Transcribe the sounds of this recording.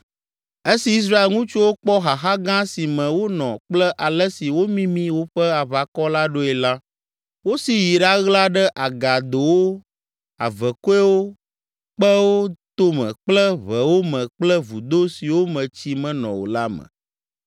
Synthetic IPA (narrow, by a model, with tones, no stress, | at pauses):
e˦si˨i˦s̬ɾa˦e˨lŋũ˦t͡ʃu˦wo˦k͡pɔ˦ɦa˨xa˦ɡã˦si˨mɛ̃˨wo˦nɔ̰̃˨k͡plɛ˦ʔa˨lɛ˦si˨wo˦mĩ˦mĩ˦wo˦ɸɛ˦a˨βa˨kɔ˦la˦ɖo˦ɛ˨la˦ | wo˦si˨ji˨ɖa˦ɣla˦ɖɛ˦ʔa˨ɡa˨d̪o˨wo˦ | a̰˨vɛ˨ko˦ɛ˦wo˦ | k͡pɛ˦wo˦t̪o˦mɛ̰̃˨k͡plɛ˦βɛ˨wo˦mɛ̃˨k͡plɛ˦vu˨d̪o˦si˨wo˦mɛ̃˨t͡ɕi˦mɛ̃˨nɔ̰̃˨wo̰˨la˦məɛ̰̃˨